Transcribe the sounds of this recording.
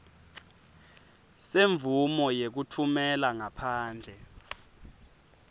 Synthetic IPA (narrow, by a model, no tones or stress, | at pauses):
seɱvumɔjek̬utʰumɛlaŋapʰaːnd͡ɮʱɛ